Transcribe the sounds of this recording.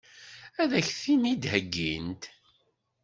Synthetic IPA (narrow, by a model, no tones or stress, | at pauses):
æðæçθinid̪həɡːḭnt̪